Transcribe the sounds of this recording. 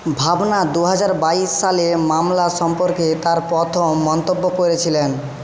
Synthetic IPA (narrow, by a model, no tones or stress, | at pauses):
bʱabnad̪uɦad͡ʑaɾbaiʃːalemamlaʃɔmpoɾket̪aɾpɔt̪ʰomːɔnt̪obːokoɾet͡ɕʰilen